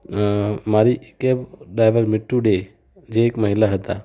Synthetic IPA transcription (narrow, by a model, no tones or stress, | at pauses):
maɾikebɖɾajbəɾmiʈːuɖe | d͡ʒeːkməɦilaɦət̪a̰